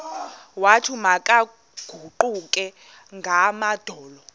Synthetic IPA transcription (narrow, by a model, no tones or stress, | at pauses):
watʰumakʼa | ɡ̥ʱuǃukʼɛ | ŋɡʱamad̥ʱɔːlɔ